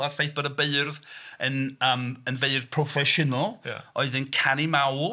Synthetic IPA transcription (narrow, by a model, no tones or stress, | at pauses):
arfejθb̥ədabeɨrðənəːmənveɨrðpʰrɔfɛʃʊnəl̰ˠɔɨðənkʰanimawlˠ